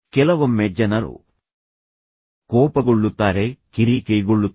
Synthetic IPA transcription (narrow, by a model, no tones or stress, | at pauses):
kɛlɐʋɐmːɛd͡ʒːɐnɐɾṵ | kɔːpɐɡuɭːut̪ːaːɾeːkiɾiːkejɡuɭːut̪